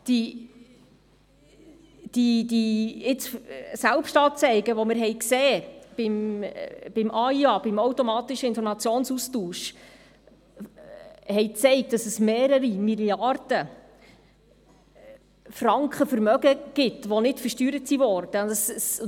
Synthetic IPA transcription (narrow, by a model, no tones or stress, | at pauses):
d̥i | d̥idiɪt͡ssælpʃtɑːt͡sɛɪɡəʋɔmɪɾɦɛjkseːb̥ɪm | b̥ɪmʔɑiɑb̥ɪmowtɔmɑːt̪ɪʃəɪnfɔɾmɑt͡sjoːnsustuːʃ | hɛjt͡sɛɪk̚t̚ɑsəsmeːɾəɾimiljɑrd̥ə | frɑŋkχəfəɾmœɡəɡ̥ɪt̪ʋɔnɪtfərʃtyːɾətsivɔrd̥əəss